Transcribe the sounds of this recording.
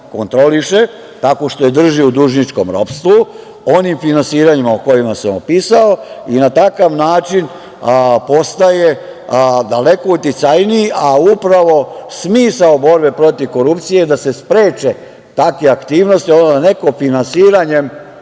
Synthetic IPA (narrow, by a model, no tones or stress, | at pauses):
kont̪ɾo̞liʃe | t̪ako̞ʃt̪o̞je̞d̪r̩ʒiud̪uʒnit͡ʃko̞̰mɾo̞̰pst̪u | o̞nimfinansiːɾaɲimaoko̞jimasaopisaoinat̪akaʋnaːt͡ʃin | po̞st̪aje̞ | d̪ale̞ko̞ut̪it̪sajniiʔaupɾaʋo̞smiːsaobo̞ɾbe̞pɾo̞t̪iʋko̞ɾupt̪sije̞d̪ase̞spɾe̞ːt͡ʃe̞ | t̪akʋeakt̪iːʋno̞st̪ionod̪ane̞ko̞finansiːɾaɲe̞m